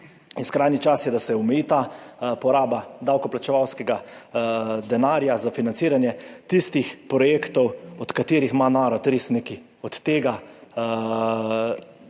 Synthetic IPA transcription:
iskɾajnit͡ʃasjɛd̪asɛɔmɛjiːt̪apɔɾaːbad̪awkɔplat͡ʃɛʋawskɛɡa | d̪ɛnaːɾjazafinansiːɾanjɛt̪ist̪ixpɾɔjeːkt̪ɔwɔt̪kat̪eːɾixmanaːɾɔt̪ɾeːsneki | ɔt̪ːeːɡa

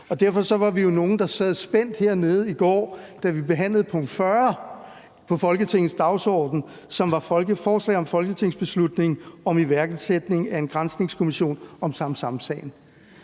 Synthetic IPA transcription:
ɒ̽d̥æɐfɒ̽sɒ̽ʋɑ̈ʋijo̝no̝ːn̩d̥ɑ̈sɛð̞ˠsb̥en̰d̥he̝ɐne̝ːð̞̩ˠiɡ̥ɒ̰ːd̥æʋibe̝ɦæn̰ləð̞̩ˠpʰɔ̽ŋ̰d̥fɶɐ | pʰɒ̽fɒ̽lɡ̥ət͡sʰe̝ŋn̩sd̥ɑ̈ʊsɒ̰ːd̥n̩ | sɒ̽mʋɑ̈fɒlɡəfɒːslɛ̰ːɒ̽mfɒ̽lɡ̥ət͡sʰe̝ŋ̰sb̥e̝slud̥ne̝ŋ̩ɒ̽miʋæɐɡ̥ð̩ˠsed̥ne̝ŋæe̝nɡ̥ʁansne̝ŋskʰo̝miɕo̝̰ːnɒ̽msɑ̈msɑ̈msɛ̰ːɪn̩

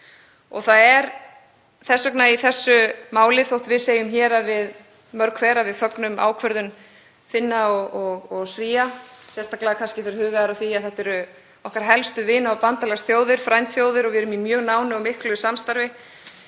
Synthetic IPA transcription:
ɔ̰θaðɛɾ | θɛsːœknaiθɛsːʏmaːwlɪθowht̪vɪðseːjʏmçɛːɾavɪð | mœɾkʰfeːɾavɪðfœknʏma̰ːwkʰvœɾðʏn | fɪnːaɔɔɣɔɣsviːasjɛst̪aklaakʰanscɪfɪɾɪɾhʏːɣaɛɾaθiaðθɛht̪ɛɾʏ | ɔhkaɾ̥ɦɛlst̪ʏvɪːnaɔpant̪alɛsθjoːwðɪɾ̥fɾajnt̪θjoːwðɪɾɔvɪɛɾʏmimjœːɣnaːwnɪɔmɪhklʏsamst̪aɾvɪ

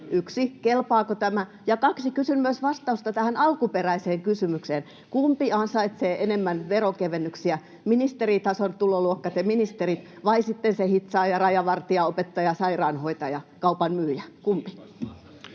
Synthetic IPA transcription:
ʔyksikelpɑːkot̪æmæ | jɑkɑksikysynmyøsʋɑst̪ɑust̪ɑt̪æhænɑlkuperæiseːŋkysymykseːn | kumpiɑnsɑit̪seːʔenemːænʋerokeʋenːyksiæ | minist̪erit̪ɑsont̪uloluokːɑt̪ɑminist̪erit̪ | ʋɑisit̪ːensehit̪sɑːjɑrɑjɑʋɑrt̪iɑopet̪ːɑjɑsɑirɑːnhoit̪ɑjɑkɑupɑnmyːjækumpi̥

